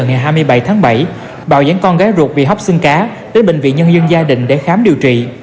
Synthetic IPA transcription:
ŋa˨˩jɦaː˧jmɨ˧əjɓə˧˩jt̪ʰaː˨˦ŋɓə˧˩j | ɓa̰ː˧˨wza̰ː˨˦ŋkɔ˧nɣaː˨˦jzu˨˩t̚vḭ˨˩ɦa˦˥wk͡p̚sɨ˧ŋkaː˨˦ | ɗe˨˦nɓï˧˨ŋ̟vḭ˧˨nɲə˧nzə˧nzaː˧ɗḭ̈˧˨ŋ̟ɗe˧˩xaː˨˦mɗi˨˩əwt͡ɕḭ˧˨

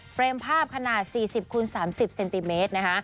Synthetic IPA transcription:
pɾeː˧mpʰaː˥˩p̚kʰa˧naː˨˩t̪̚siː˨˩si˨˩p̚kʰu˧nsaː˩˦msi˨˩p̚se˧nt̪i˧meː˦˥t̪̚na˦˥kʰa˦˥ʔ

